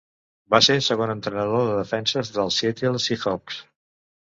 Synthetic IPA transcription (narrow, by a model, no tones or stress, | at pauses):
basesəɣonənt̪ɾənəðoðəðəfɛnsəzðəlˠsjɛt̪ilˠsixɔks